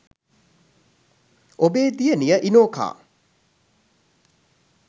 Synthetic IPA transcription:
obeːd̪ijənijəʔinoːka̰ː

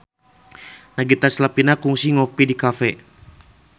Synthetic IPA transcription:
naɡit̪aslapinakuŋsiŋɔpidikafɛ

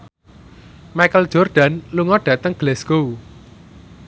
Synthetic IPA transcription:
majkəlʒ̥ɔrd̥a̤nluŋɔɖ̥ä̤t̪əŋɡ̥lɛsko

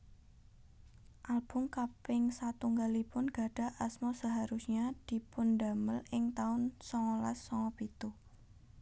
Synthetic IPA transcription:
ʔalb̥ʊ̤ŋkapɪŋsat̪uŋɡalipʊnɡ̥a̤ɖ̥a̤ʔasmɔsaɦaɾusɲad̪̥i̤pʊnda̤məlʔɪŋt̪aʊnsɔŋɔla̰sːɔŋɔpit̪u

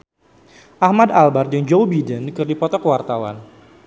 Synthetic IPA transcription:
ʔahmadalbard͡ʒaŋd͡ʒowbidənkɨrdipɔt̪ɔkəwart̪awa̰n

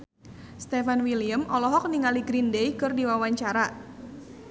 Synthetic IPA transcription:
st̪efanwilijəmɔlɔɦɔk̚niŋaliɡɾindejkɨrdiwawaɲt͡ʃaɾa

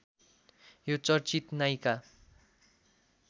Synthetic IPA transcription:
jot͡sʌrt͡sit̪najka

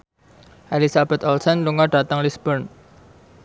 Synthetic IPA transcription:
ʔalisabɛt̪ɔlsɔnluŋɔɖ̥at̪aŋlisbərn

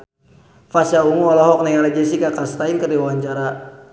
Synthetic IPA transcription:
fasjauŋuɔlɔɦɔk̚naŋaɾad͡ʒɛsikakast̪ainkərdiwaɲt͡ʃaɾa

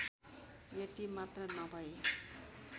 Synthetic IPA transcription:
jeʈ̪imat̪rʌnʌbʱʌj

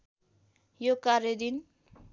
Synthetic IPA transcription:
jokaɾjʌd̪in

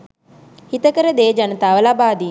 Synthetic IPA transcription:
hit̪əkəɾəd̪eːd͡ʒanət̪aːʋəlabaːd̪iː

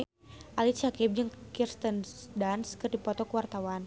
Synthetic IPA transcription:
ʔalit͡ʃakip̚d͡ʒɨŋkirst̪əndanskərdipɔt̪ɔkəwart̪awan

